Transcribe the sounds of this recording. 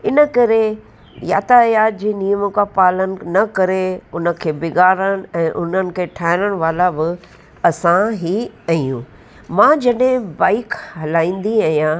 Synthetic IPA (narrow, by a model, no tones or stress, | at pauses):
ɪnə̆kɐɾe | ja̰ːt̪ajaːd͡ʑeːnijəməkapaːlənɪ̆nɐkɐɾeʊnə̆kʰeːbɪɡaːɾəɽ̃ɛ̃ːʔʊn̤ənɪ̆kʰeːʈʰaːɦɪɾəɽ̃ʋaːlabɪ | ɐsãɦiɐijũː | mãːd͡ʑɐɗɦɪ̃baːɪkɦɐlaːĩːn̆d̪iaijã